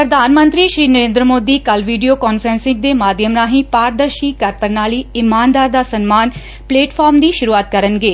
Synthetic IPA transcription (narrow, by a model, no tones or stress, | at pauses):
pɾəd̪ʱaːnmə̃nt̪ɾiːʃɾiːnəɾẽːnd̪ɾəmoːd̪iːkɐlʋiːɖijoːkaːnfʰɾə̃nsɪ̃ŋɡ̚d̪eːmaːd̪ʱjəmɾaːɦĩpaːɾd̪əɾʃiːkɐɾpəɾnaːɭiːɪmaːnd̪aːɾd̪aːsɐnmaːn | pleːʈpʰaːɾmd̪iːʃʊɾuːaːt̪̚kɐɾənɡeː